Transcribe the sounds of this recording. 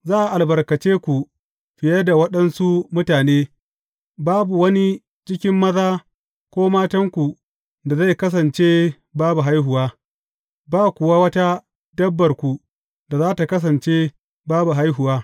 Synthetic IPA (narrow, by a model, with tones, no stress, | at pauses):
zaː˦ʔa˨ʔa˨lbɐ˨rkɐ˨t͡ʃeː˦kʷu˨ | ɸɪ˨jɐ˦da˨wɐ˦ɗɐ˦nsu˦mʊ˦taː˨neː˦ | baː˦bu˨wɐ˦ni˦ | t͡ʃɪ˦kʲɪ˦mːɐ˦zaː˦ | kʷoː˦maː˦tɐ˦ŋkʷu˨ | da˨za˦˨jkɐ˦s̬ɐ˨nt͡ʃe˦ | baː˦bu˨ɦa˦jɦʊ˨waː˦ | baː˦˨kʷʊ˨wa˦wɐ˦ta˦ | dɐ˦bːɐ˨rkʷu˨ | da˨zaː˦ta˨kɐ˦s̬ɐ˨nt͡ʃe˦ | baː˦bu˨ɦa˦jɦʊ˨waː˦